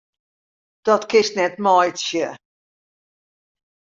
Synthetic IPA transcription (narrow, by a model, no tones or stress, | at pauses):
d̥ɔtkʰɪstnɛtmɔjtsjə